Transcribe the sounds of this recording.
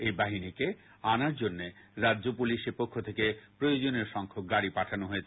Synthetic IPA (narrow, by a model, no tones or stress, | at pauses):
ejbaɦinike | anaɾd͡ʑonːeɾaʑopuliʃeɾpokʰːot̪ʰekepɾojod͡ʑoneɾʃɔŋkʰok̚ɡaɽipaʈʰanoɦoet͡ɕʰ